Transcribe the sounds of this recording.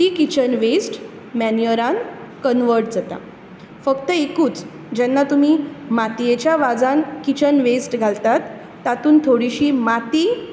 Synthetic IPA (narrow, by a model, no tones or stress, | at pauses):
ikit͡ɕənʋesʈ | mænjəɾãnkənʋəɾʈ̚d͡zat̪a̰ | fəkt̪əekuːt͡s | d͡ʑɛnːat̪um̤iːmat̪ijet͡ɕjaʋad͡zãnkit͡ɕənʋesʈɡʱalt̪at̪ː | at̪uːnt̪ʰoɽiɕiːmat̪iː